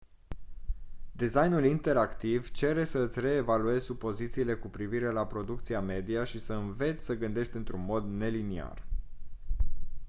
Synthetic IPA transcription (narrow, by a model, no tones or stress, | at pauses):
d̪izajnulint̪e̞ɾakt̪ivt͡ʃe̞ɾe̞səɨt̪sʲre̞ːvalue̞zʲsupo̞zit̪siːle̞kupɾiviɾe̞lapɾo̞d̪uk̚t̪siame̞d̪iaʃisəɨnve̞t̪sʲsəɡɨnd̪e̞ʃt̪ʲɨnt̪ɾunmo̞d̪ne̞linia̰r